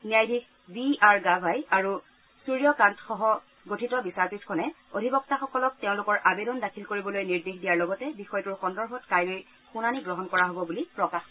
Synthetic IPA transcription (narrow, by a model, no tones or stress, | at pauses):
niajdʱik | biaɹɡabʱajaɹu | suɹijɔkantxɔɦɔ | ɡotʰitɔbisaɹpitʰkʰɔnɛ | odʱibɔk̚taxɔkɔlɔk̚teʊ̃lʊkɔɹʔabedɔndakʰilkoɹibɔlojniɹdexdijaɹlɔɡɔtɛbixɔjɔtʊɹxɔndɔɹbʱɔtkajɹoj | xunaniɡɹɔɦɔnkɔɹaɦobɔbulipɹɔkax